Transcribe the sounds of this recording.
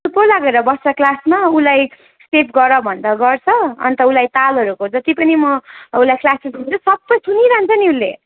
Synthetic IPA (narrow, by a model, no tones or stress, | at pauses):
upolaɡeɾʌbʌsʌklasmaulaj | sepʰɡʌɾʌbʱʌnd̪ʌɡʌrt͡sʰʌʌ̰nt̪ʌulajt̪alɦʌɾukod͡zʌt̪ipʌnimʌulajklasezɦunt͡sʰusʌbːʌjtʰuniɾaɦnt͡sʰʌniulːe